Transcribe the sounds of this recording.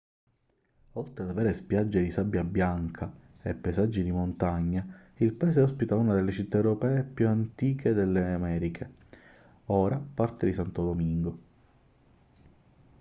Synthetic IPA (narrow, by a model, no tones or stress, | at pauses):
olt̪ɾead̪avɛːɾespjad͡ʒːed̪isabːjabjaŋkʰa | epːajzad͡ʒːid̪imont̪aɲːailpaɛːseɔspit̪aunad̪elːet͡ʃit̪ːaewɾopɛːepjuant̪iːked̪elːeamɛːɾikʰe | ɔːɾapart̪ed̪isant̪od̪omiŋɡo